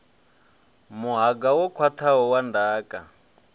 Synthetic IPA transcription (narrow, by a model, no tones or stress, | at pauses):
muɦaɡawɔkʰwat̪ʰaɦɔwandaːkʼa